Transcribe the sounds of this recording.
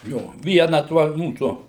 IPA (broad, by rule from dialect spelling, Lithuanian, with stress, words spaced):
ˈjoː ˈʋʲiɛnɐ tuɔ ˈmuːsʊ